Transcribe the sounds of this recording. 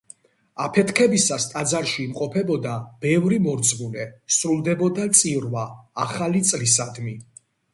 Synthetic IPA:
apʰɛt̪kʰɛbisast̪ʼad̪zaɾʃiːmqʼɔpʰɛbɔd̪ab̥ɛvɾimɔɾd̪zmunɛsɾulˠd̪ɛbɔd̪at̪sʼivɾvaːχalit̪sʼlisad̪mi

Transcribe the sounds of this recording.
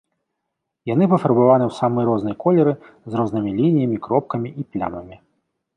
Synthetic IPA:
janɨpɐfɐɾbavanɨwsamɨjɾɔznɐjkɔlʲɛɾɨ | zrɔznɨmʲilʲinʲijɐmʲikɾɔp̚kɐmʲiʔiplʲa̰mɐmʲi

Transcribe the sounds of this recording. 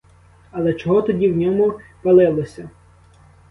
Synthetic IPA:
ɐlˠɛt͡ʃɔɦɔt̪ɔdʲiwnʲɔmʊpɐlˠɪlˠɔsʲɐ

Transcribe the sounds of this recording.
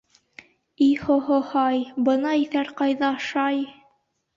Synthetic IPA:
ihohohɑjbɤ̆nɑiθæɾqɑjðɑɑʃɑj

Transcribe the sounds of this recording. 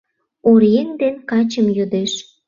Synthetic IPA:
oɾiend̪enkɑt͡ɕəmjød̪eʃ

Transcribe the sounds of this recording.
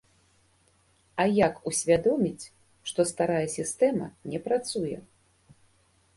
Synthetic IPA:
ajakusʲvʲad̪ɔmʲit͡sʲ | ʂt̪ɔst̪aɾajɛsʲist̪ɛmɐ̰nʲɛpɾat̪sujɛ̰

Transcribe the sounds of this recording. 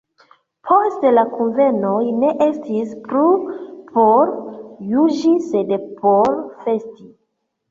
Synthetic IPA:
pʰostlakunve̞nojne̞ʔestʰispɾupʰo̞ɾjud͡ʒise̞dpoɾfe̞sti

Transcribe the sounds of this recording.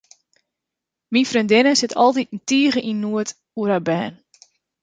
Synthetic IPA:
minfrøndɪnəsɪtʰɔlˠtit̚n̩tiːɣəʔinːuət | uɾabɛ̰ːn

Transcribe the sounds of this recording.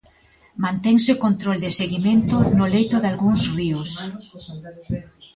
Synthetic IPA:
mãnt̪ɛŋsɪkont̪ɾold̪ɪseɣiment̪ʊnʊlejt̪ʊðalɣuŋsriʊs

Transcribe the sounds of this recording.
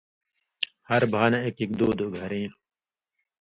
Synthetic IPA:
hɐɾbʱaːnɐekikd̪oːd̪oɡʱɐɾẽː

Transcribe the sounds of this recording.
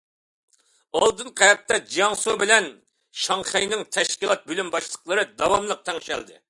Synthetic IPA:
ɑlˠd̪ɨnqʰɑjɛt̪ːɑd͡ʒijɑŋsubɪlɛn | ʃɑŋχɛjnɪŋt̪ʰɛʃkʲilˠɑt̪̚bølymbɑʃlˠəqlˠəɾɨd̪ɑwɑmlˠəq̚t̪ʰɛŋʃɛ̰ld̪ɨ̰

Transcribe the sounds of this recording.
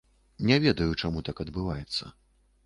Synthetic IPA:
nʲɛvʲɛd̪ɐjut͡ʂamut̪akɐd̪bɨvajɛt̪sːɐ̰

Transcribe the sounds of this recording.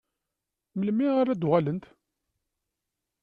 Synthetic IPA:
məlmiʁaɾæd̪ʁælənt̪

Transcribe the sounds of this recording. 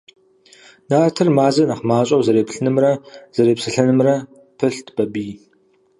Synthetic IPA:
naːrtʰɨrmaːzɐnaχmaːɕʼɐwzɐɾeːpɬɨnɨmrɐz̥ɐɾeːpsɨɬɐnɨmrɐ | pʰɨɬtʰb̥ɐbiː

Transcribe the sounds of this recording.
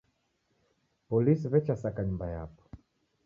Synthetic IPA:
pɔlisivɛt͡ʃasakaɲumbaja̰pɔ̥

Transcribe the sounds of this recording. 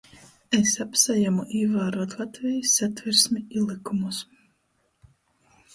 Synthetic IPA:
esapsajamuʔiːvaːɾuɔt̪lˠat̪vʲijisːat̪vʲiɾsmʲiilˠikumus

